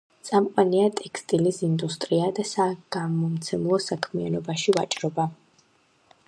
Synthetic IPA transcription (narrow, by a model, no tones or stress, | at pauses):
t̪sʼamqʼwaniat̪ʼɛkʰst̪ʼilisind̪ust̪ʼɾiad̪asaɡ̥amɔmt̪sʰɛmlˠɔsakʰmianɔbaʃivat͡ʃʼɾɔba